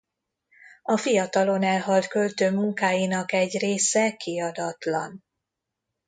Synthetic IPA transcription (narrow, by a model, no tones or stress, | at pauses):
ɒfijɒt̪ɒlo̞nɛlɦɒlt̪kølt̪øːmuŋkaːjinɒkɛɟreːsɛkiɒd̪ɒt̪lɒ̰n